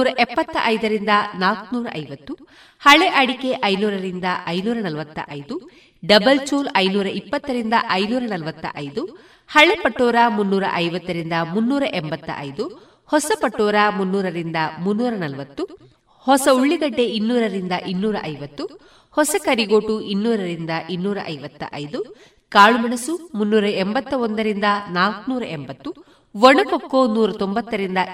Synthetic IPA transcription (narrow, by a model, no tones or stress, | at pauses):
ɾɐʔɛpːɐt̪ːɐ̰ʔɐjd̪ɐɾind̪ɐnaːknuːɾɐ̰ʔɐjʋɐt̪ːu | hɐɭeʔɐɽike̞ʔɐjnuːɾɐɾind̪ɐʔɐjnuːɾɐnɐlʋɐt̪ːɐ̰ʔɐjd̪u | ɖɐbɐlt͡ʃuːlɐjnuːɾɐʔipːɐt̪ːɐɾind̪ɐʔɐjnuːɾɐnɐlʋɐt̪ːɐ̰ʔɐjd̪u | hɐɭepɐʈːɔːɾaːmunːuːɾɐ̰ʔɐjʋɐt̪ːɐɾind̪ɐmunːuːɾɐʔɛmbɐt̪ːɐ̰ʔɐ̰jd̪u | hɔsɐpɐʈːɔːɾaːmunːuːɾɐɾind̪ɐmunːuːɾɐnɐlʋɐt̪ːu | hɔsɐuɭːiɡɐɖːeʔinːuːɾɐɾind̪ɐʔinːuːɾɐʔɐjʋɐt̪ːu | hɔsɐkɐɾiɡoːʈuʔinːuːɾɐɾind̪ɐʔinːuːɾɐ̰ʔɐjʋɐt̪ːɐ̰ʔɐjd̪u | kaːɭumɐɳɐsumunːuːɾɐembɐt̪ːɐond̪ɐɾind̪ɐnaːlkunuːɾɐ̰ʔembɐt̪ːu | ʋɔɳɐkokːoːnuːɾɐt̪ombɐt̪ːɐɾind̪ɐ